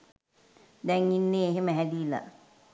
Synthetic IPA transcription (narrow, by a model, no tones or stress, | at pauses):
d̪ɛŋinːeːɦeməɦæd̪ila̰